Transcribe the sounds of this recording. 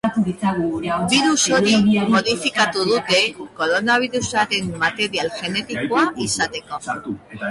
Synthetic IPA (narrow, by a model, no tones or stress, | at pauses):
biɾuso̞ɾimo̞ðifikat̪uð̞ut̪e̞ko̞ɾo̞naβ̞iɾusaɾe̞mːat̪e̞ɾialʝe̞ne̞t̪ikoaʔisat̪e̞ko̞